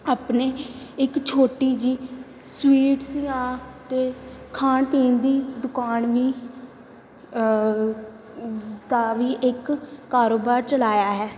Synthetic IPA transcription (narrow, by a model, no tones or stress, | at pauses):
aːpneːɪkt͡ʃʰoːʈiːd͡ʒiː | swiːʈsɪːãːt̪eːkʰaːnpiːnd̪iːd̪ʊkaːnʋiː | d̪aːʋiːʔɪkːaːɾoːbaːɾt͡ʃəlaːjaːɦɛː